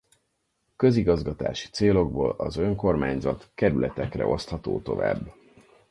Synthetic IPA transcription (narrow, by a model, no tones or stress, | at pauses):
kø̞ziɡɒzɡɒt̪a̰ːʃi̥t̪seːlo̞ɡboːlɒzø̞ŋko̞rmaːɲzɒt̪kɛɾylʔɛt̪ɛkrɛ̰ʔo̞st̪hɒt̪oːt̪o̞̰va̰ːbː